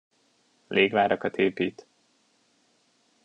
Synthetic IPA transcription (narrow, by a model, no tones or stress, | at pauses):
leːɡʋaːɾɒkɒt̪eːpiːt̪